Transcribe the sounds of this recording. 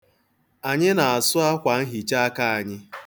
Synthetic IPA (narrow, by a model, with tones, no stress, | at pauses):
a˨ɲɪ˦na˨a˨sʊ˦a˦kʷa˨n̩˦ɦi˨t͡ʃa˦a˦ka˦a˨ɲɪ˦